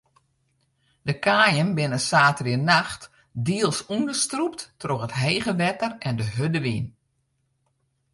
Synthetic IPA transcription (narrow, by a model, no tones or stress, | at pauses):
dəkaːjənbɪnəsaːtʋɪnaxt | diəlˠsundəstrup̚tːroxətɦeːɣəʋɛtərɛndəɦødəʋin